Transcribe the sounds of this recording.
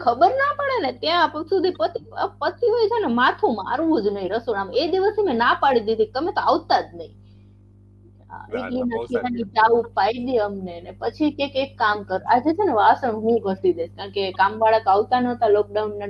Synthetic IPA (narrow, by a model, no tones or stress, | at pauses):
kʰəbəɾnapəɽenet̪jãpsud̪ʱipət̪ipəsʰiɦojt͡ʃʰenemat̪ʰũma̰ɾʋũd͡ʒnəɦĩɾəsoɽamed̪iʋəsimẽnapaɽid̪id̪ʱit̪əmet̪oaʋt̪ad̪nəɦĩ | a̰eklinət̪ʰiɦanĩd͡ʒaʋupaid̪iəmnenepət͡ʃʰikekekːamkəɾa̰d͡ʒet͡ʃʰeneʋasəɳɦũɡʱəsid̪eʃkaɳ̃kekamʋaɭəkaʋt̪anət̪alɔk̚ɖaunːa